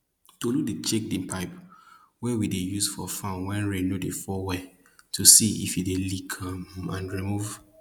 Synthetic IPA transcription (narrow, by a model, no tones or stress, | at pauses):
toludit͡ʃek̚dĩnpʰaɪp | wɛwidejusfɔfãnwɛ̃nɹenodefɔwɛ | tusiḭfidelikʰamãnɹimuv